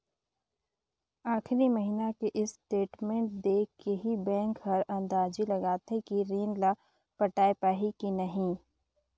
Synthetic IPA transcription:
aːxɾiməɦinakeʔɪsʈeːʈmẽɳʈ̚d̪eːkkeɦibɛ̃ːŋkɦɐɾɐ̃nd̪aːd͡ʒilɐɡaːt̪ʰekiɾiːnla | pɐʈaːepaːɦikinɐɦĩ

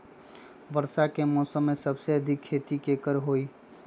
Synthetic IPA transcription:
bəɾsakemɔsəmːesəbseəd̪ʱikʰːet̪ikekəɾɦoi

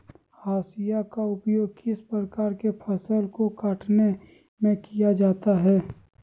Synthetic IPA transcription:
haːsɪjakaʊpjoːɡ̚kɪspɾəkaːɾkepʰəsəlkokaːʈne | mẽkijad͡ʒaːt̪aɦɛː

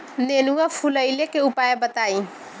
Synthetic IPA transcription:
nenuafʰuləjlekeupaːjebət̪aːĩ

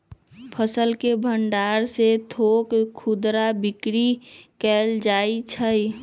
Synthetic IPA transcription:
pʰəsəlkebʱəɳɖaːɾset̪ʰoːkkʰːud̪ɾabɪkɾikɛːld͡ʒaːit͡ʃʰə

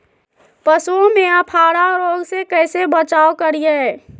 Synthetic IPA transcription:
pəsuõmẽapʰaːɾaɾoːɡsekɛːsebət͡ʃaːokəɾijeɦɛː

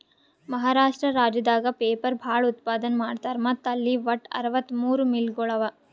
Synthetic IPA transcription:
mɐɦaːɾaːʂʈɾɐɾaːd͡ʒɐd̪aːɡɐpeːpɐɾbʱaːɭut̪paːd̪ɐnmaːɖt̪aːɾmɐt̪ːɐlːiʋɐʈɐ̰ɾɐʋɐt̪ːmuːɾumilɡɔɭɐʋɐ

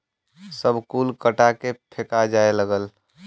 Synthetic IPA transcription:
səbʱkuːlkəʈakepʰekad͡ʒaːeləɡəl

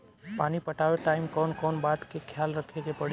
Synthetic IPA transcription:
paːnipɐʈaːʋeʈaːɪmkɔːnkɔːnbaːt̪kekʰjaːlɾɐkʰeɡepɐɽ

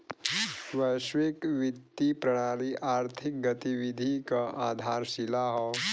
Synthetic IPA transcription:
ʋəʃʋikʋɪt̪ːipɾɐɽ̃aːliʔaːɾt̪ʰɪk̚ɡət̪iʋid̪ʱikaʔaːd̪ʱaːɾsilaɦɔ

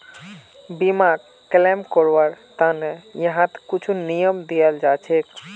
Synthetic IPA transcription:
bimaɡ | klɛmkoɾʋəɾt̪anejəɦãt̪kut͡ʃʰunijəmd̪ijəld͡ʒat͡ʃʰek

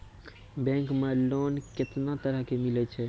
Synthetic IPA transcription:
bɛ̃ŋkmelonket̪nat̪əɾəɦkemilɛt͡ʃʰɛ

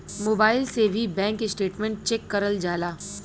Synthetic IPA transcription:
moːbaːɪlsebʱibɛ̃ːŋkesʈeːʈmẽɳʈ̚t͡ʃɛkːɐɾəld͡ʒaːlaː

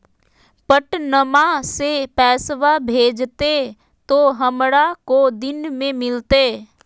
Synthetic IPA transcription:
pəʈnəmasepɛːsʋabʱeːd͡ʒt̪e | t̪oɦəmɽakod̪ɪnmẽmɪlt̪eː

